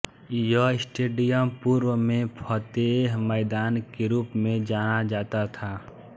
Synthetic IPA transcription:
jəɪsʈeːɖijəmpuːɾwəmẽpʰət̪eɦmɛːd̪aːnkeɾuːpmẽd͡ʒaːnad͡ʒaːt̪at̪ʰaː

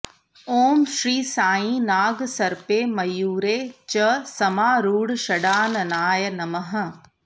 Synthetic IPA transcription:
oːmʃɾiːsaːĩːnaːɡsɐɾpeːmɐjuːɾeːt͡ʃɐsɐmaːɾuːɽʃɐɽaːnɐnaːjənɐmɐɦə̆

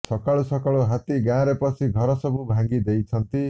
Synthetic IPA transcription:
sʌkaɭusʌkaɭuɦat̪iɡãɾepʌt͡sʰiɡʱʌɾɔsʌbubʱãŋɡid̪ejt͡sʰʌnt̪i

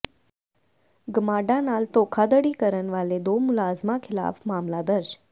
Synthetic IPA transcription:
ɡəmaɖanaːlt̪okʰad̪əɽikəɾənʋaled̪omʊlaːzmãkʰɪla̰ːfmaːmlad̪əɾʃ

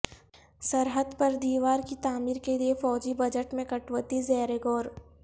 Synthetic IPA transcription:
sɐɾɦəd̪pɐɾd̪iːʋaːɾkit̪aːmiːɾkeliefɔːd͡ʒibɐd͡ʒəʈmẽkɐʈwət̪izɛːɾeɡɔːɾ

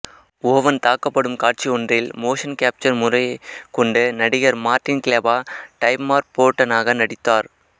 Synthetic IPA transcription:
ʊɐʋɐnt̪aːkːɐpːɐɽɯmkaːʈ̚t͡ʃiɔndrɪlmoːʂɐnkaːp̚t͡ʃɐɾmʊrɐɪkːɔɳɖɯnɐɽɪɣɐɾmaːɾʈɪnkɪleːbaːʈɐɪpmaːɾpoːʈːɐnaːɣɐnɐɽɪt̪ːaːɾ

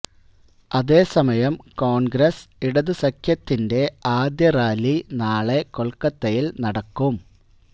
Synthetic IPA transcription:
ɐðe̞ːsɐmɐjɐmkoːɳɡɾɐsiɽɐðɨsɐkʰjɐt̪ːinde̞aːd̪jɐraːlinaːɭekoɭkːɐt̪ːɐjilnɐɽɐkːum

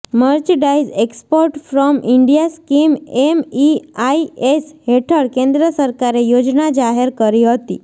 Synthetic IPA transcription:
məɾt͡ʃəɖaizekspoɾʈfɾɔmʔiɳɖijaskimemiaiesɦeʈʰəɭkẽnd̪ɾəsəɾkaɾejod͡ʒnad͡ʒaɦeɾkəɾiɦət̪ḭ

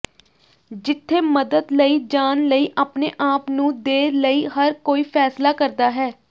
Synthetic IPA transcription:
d͡ʒɪt̪ʰːeːməd̪əd̪ləiːd͡ʒaːnləiːʔaːpneːʔaːpnũːd̪eːɾləiːɦəɾkoːiːpʰɛːslaːkəɾd̪aːɦɛː

